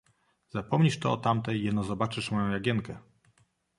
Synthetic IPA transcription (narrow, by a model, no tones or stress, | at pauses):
zapɔmɲiʂt̪ɔɔ̰t̪amt̪ɛjːɛd̪nɔzɔbat͡ʂɘʂmɔjɔ̃w̃jaɡʲɛnkɛ